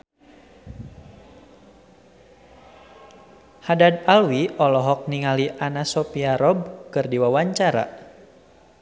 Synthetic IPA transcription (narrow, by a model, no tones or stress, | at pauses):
hadadalwiʔɔlɔɦɔk̚niŋaliʔanasɔpiaɾɔb̚kɨrdiwawaɲt͡ʃaɾa̰